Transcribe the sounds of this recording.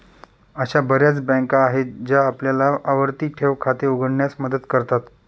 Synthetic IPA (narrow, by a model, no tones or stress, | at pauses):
əɕabəɾjat͡sbɛ̃ŋkaːɦed͡ʑjaːpljalaʔːʋəɾt̪iːʈʰeʋkʰat̪euɡəɽɳjasməd̪ət̪kəɾt̪at̪